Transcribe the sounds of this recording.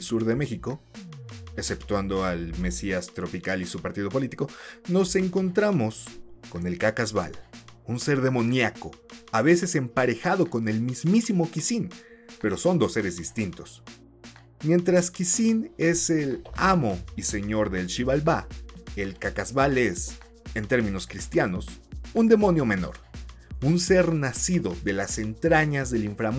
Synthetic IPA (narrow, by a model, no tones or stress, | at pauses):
suɾðe̞me̞xiko̞ | ese̞pt̪wand̪oalme̞siast̪ɾo̞pikalisupaɾt̪iðo̞p̬o̞lit̪i̥ko̞no̞se̞ŋko̞nt̪ɾamo̞sko̞ne̞lkakazβa̰lunse̞ɾðe̞mõ̞njako̞aβe̞se̞se̞mpaɾe̞xaðo̞kone̞lmizmisimo̞kisinpe̞ɾo̞so̞nd̪o̞sːe̞ɾe̞zðist̪int̪o̞s | mje̞nt̪ɾaskisine̞se̞lamo̞ise̞ɲo̞ɾðe̞lʃiβalbaelkakazβale̞s | e̞nt̪e̞ɾmĩno̞skɾist̪jano̞sund̪e̞mõ̞njo̞me̞no̞̰ɾunse̞ɾnasiðo̞ðe̞lase̞nt̪ɾaɲazðe̞liɱfɾam